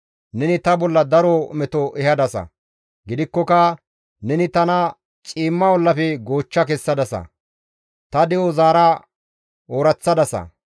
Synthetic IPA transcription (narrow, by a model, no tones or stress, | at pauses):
nɛnɪt̪ɐbɔlːɐd̪ɐɾomɛt̪ɔʔɛhɐd̪ɐsɐ̰ | ɡɪd̪ɪkːɔkɐ | nɛnɪt̪ɐnɐ | t͡ʃʼiːmːɐwɔlːɐpɛɡo̞ːt͡ʃːɐkɛsːɐd̪ɐsɐ̰ | t̪ɐd̪ɛozaːɾɐ | oːɾɐt͡sːɐd̪ɐsɐ̰